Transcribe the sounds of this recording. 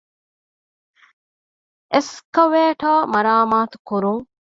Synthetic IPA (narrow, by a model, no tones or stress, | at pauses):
ʔeskɐʋeːʈaːmɐɾaːmaːt̪u̥kuɾuŋ